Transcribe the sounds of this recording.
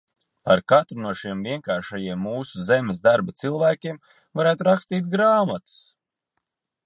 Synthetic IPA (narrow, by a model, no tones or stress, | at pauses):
paɾkat̪ɾunuɔʃimviɛŋkaːɾʃajiɛmːuːsuzemesd̪aɾbat̪silˠvæːkʲiɛm | vaɾæːt̪uɾakst̪iːt̪̚ɡɾaːmat̪u̥s